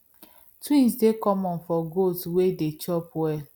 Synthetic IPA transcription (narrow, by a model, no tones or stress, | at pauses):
twĩnsdekɔmɔ̃nfɔɡoswedet͡ʃɔpɛ